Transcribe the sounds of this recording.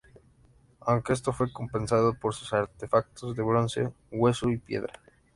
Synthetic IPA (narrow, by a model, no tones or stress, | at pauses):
awŋkee̞s̬t̪o̞fwe̞ko̞mpe̞nsað̞opoɾsu̥saɾt̪efak̚t̪ozðe̞βɾonsḛ | ɣwesoipjḛðɾa